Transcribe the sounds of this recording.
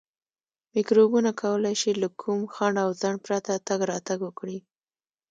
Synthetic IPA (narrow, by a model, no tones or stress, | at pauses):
mɪkɾobunakʰawəlajʃilakʰumxaɳɖawzaɳɖpɾat̪at̪aɡɾɑt̪aɡwəkɽi